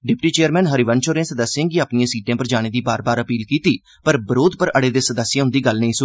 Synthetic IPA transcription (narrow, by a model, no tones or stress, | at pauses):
ɖɪpʈiːt͡ʃeːəɾmɛ̃ːnɦəɾiːʋənt͡ʃoːɾẽːsəd̪əsːãːɡiaːpnɪjãːsiːʈjãːpəɾd͡ʒaːɽ̃eːd̪iːbaːɾbaːɾəpiːlkiːt̪iː | pəɾbəɾoːd̪pəɾəɽeːd̪eːsəd̪əsːɪjãːɦʊnd̪iːɡəlnĩːsʊ